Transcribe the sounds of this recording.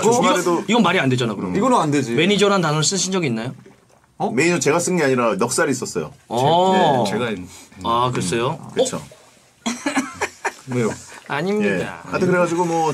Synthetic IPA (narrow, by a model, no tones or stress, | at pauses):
ɾedoiɡʌnmaɾiande̞d͡ʑanakɯɾʌmiɡʌnanded͡ʑime̞ɲid͡ʑʌɾɦantanʌɾɭs͈ɯɕʰind͡ʑʌɡiːnːajo | ʌme̞inʌt͡ɕe̞ɡas͈ɯŋɡiaɲiɾajʌk̚s͈aɾiːs͈ʌs͈ʌjo̰ʌ | eɡaakɯɾʌs͈ejokɯt͡ɕʰo̰ | aɲimɲiea̰ant̪ʰekɯɾeɡad͡ʑiɡomwʌ